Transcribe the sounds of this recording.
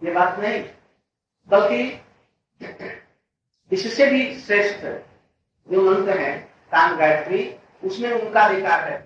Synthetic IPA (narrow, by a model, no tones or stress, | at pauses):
jebaːt̪nɐɦĩ | bɐlki | ɪssebʱisɾeːʃt̪ | d͡ʒomə̃nt̪əɦɛ̃ | k̪aːmɡaːɾət̪ɾi | ʊsmẽʊnkabɪkaːɾɦɛ